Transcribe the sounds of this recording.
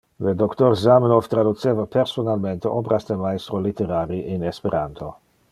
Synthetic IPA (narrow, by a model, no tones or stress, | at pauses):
led̪okt̪oɾzamnoft̪ɾad̪ut̪seːvapeɾsonalment̪eʔobɾasd̪emaest̪ɾolit̪eɾaɾiʔinespeɾant̪ʰo